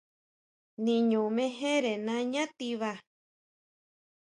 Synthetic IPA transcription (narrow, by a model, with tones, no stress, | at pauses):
nĩ˧ɲũ˨mẽ˧ɦẽ˦ɾe˨nã˧ɲã˦t̪i˧βa˧